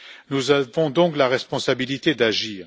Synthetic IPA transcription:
nuzavɔ̃d̪ɔ̃klaʁɛspɔ̃sabilit̪ed̪aʒiːʁ

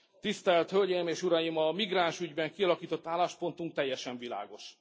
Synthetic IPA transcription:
t̪ist̪ɛlt̪hølʲɟejimeːʃuɾɒjimɒmiɡraːnʃyɟbɛŋkiɒlɒkiːt̪ot̪ːaːlːaːʃpo̞nt̪uŋk̚t̪ɛjːɛʃɛɱvila̰ːɡo̞ʃ

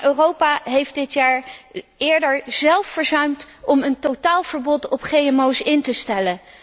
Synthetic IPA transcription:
ʔøːrowpaɦejfd̚dɪtjaːɹɪːɹdəɹzɛlˠfːəɹzœɥmtɔməntotaːlˠv̥əɹbɔtɔpχejɛmowsɪntəstɛlə

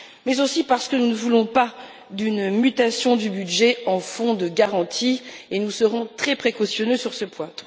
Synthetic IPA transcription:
mɛzosipaʁsə̥kənunəvulɔ̃pa | d̪ynmyt̪asjɔ̃d̪ybyd̪ʒɛɑ̃fɔ̃d̪əɡaʁɑ̃t̪ʰienusəʁɔ̃t̪χɛpχekɔsjɔnøsyʁsəpwãt̪

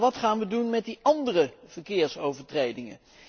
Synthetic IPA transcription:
ʋɑtχaːnʋədunmɛt̚diʔɑndərəv̥əɹkɪːɹsowvəɹtrejdɪŋə̰

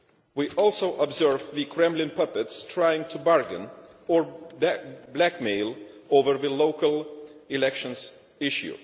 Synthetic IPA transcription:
wiʔɔlˠsoʊʔəbzɜɹvðɨkʰɹɛ̃mlɪ̃npʰʌpɨtstʰɹaɪɪ̃ŋtʰubɑɹɡɨ̰̃n | ɔɹ | blækmeɪlˠoʊvə˞ðɨloʊkəlˠɪlɛkʃə̃nz | ɪʃjṵ

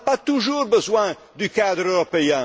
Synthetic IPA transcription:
pat̪uʒuːʁbəzwɛ̃ | d̪ykad̪ʁøʁɔpeɛ̃

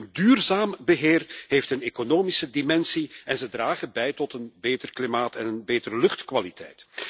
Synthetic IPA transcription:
əndyːrzaːmbəɦeːrɦeːftənekonoːmisədimɛnsiɛnzədraːɣənbɛjtɔtənbeːtərklimaːtɛnənbeːtəɾəlɵχtkʋalitʰɛ̰jt

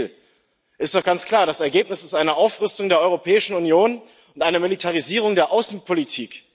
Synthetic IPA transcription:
ʔɪstd̥ɔχɡ̥ant͡skl̥aːɐɾasɛɐɡeːpnɪsɪ̥stʔaɪnəʔaʊfʁʏstʊŋdeːɐʔɔʏʁopʰɛːɪʃn̩unjoːn | ʊntʔaɪnəmilitʰaʁ̞iziːʁ̞ʊŋdeːɐʔaʊsn̩pʰolitʰiːk

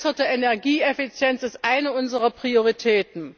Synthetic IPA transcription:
sətəɛnɛɐɡiːɛfit͡sjɛnsɪstʔaɪnəʊnzəʁɐpʁ̥ioʁitʰɛːtn̩

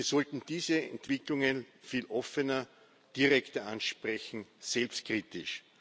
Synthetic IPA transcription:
ɐsɔltn̩d̥iːzəɛ̰ntv̥ɪklʊŋənfiːlʔɔfənɐ | d̥iʁɛktɐanʃpʁɛçn̩sɛlpst̚kʁiːtɪʃ

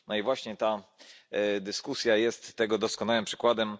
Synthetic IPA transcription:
nɔivwaɕɲɛt̪a | d̪ɘskusʲjajɛst̪ːɛɡɔd̪ɔskɔnawɘmpʂɘ̥kwad̪ɛm

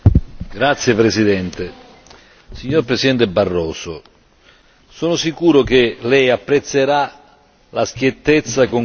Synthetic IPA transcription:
ɡɾat̪sːjepɾesid̪ɛnt̪e | siɲːoɾpɾesid̪ɛnt̪ebarːɔːsʊ | sɔːnʊsikuːɾʊk̟ɪlɛjapːɾet̪sːeɾa | laskjet̪ːet̪sːakoŋ

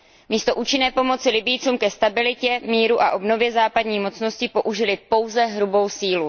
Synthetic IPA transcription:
miːst̪o̞ʔuːt͡ʃɪnɛːpo̞mo̞t͡sɪlɪbɪjt͡suːmkɛst̪abɪlɪcɛmiːɾuʔaʔo̞bno̞vjɛzaːpadɲiːmo̞t͡sno̞scɪpo̞ʔuʒɪlɪpo̞wzɛɦɾubo̞wsiːlu

